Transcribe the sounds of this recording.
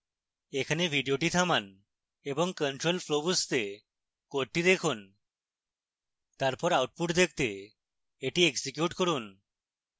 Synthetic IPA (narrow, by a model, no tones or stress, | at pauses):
ekʰanebʱiɖijoʈit̪ʰaman | ebɔŋkəɳʈɾolpʰlobust̪e | koɾt̪id̪ekʰun | t̪aɾpɔɾawʈ̚puʈd̪ek̚ʰt̪eː | ʈieksikjuʈkɔɾun